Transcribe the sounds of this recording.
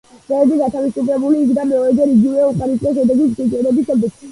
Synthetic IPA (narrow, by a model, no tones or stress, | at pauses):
zɛɛd̪iɡat̪ʰavisupʰɾɛbuliːkd̪amɛɔɾɛd̪ɛɾiɡivɛuqʼaɾisʼkʼɛʃɛd̪ɛɡisɡʼit͡ʃʼɛɾɛbisɛbɛs